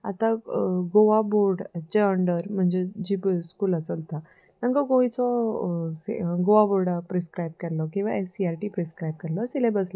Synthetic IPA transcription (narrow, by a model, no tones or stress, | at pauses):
a̰t̪ãɡoʋaboɾɖt͡ɕeəɳɖəɾm̤əɳd͡zed͡ʑibskuːlət͡sət̪a | t̪ãŋkɔɡojt͡sɔsɡoʋaboɾɽapɾeskɾajb̚kɛɾlɔkĩw̃ʋaesiaɾʈipɾeskɾajb̚kɛɾlɔsilebəslɔ